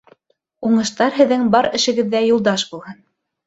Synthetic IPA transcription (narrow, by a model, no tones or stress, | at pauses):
uɴɤ̆ʃt̪ɑɾɦɘ̆ðːɘŋbɑɾɘ̆ʃɘ̆ɡɘ̆ðːæjulˠd̪ɑʃbulˠhɤn